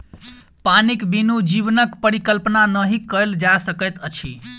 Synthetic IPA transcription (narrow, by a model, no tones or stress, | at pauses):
panikbinud͡ʒibnəkpəɾikəlpnanəɦikəld͡ʒasəkət̪ət͡ʃʰḭ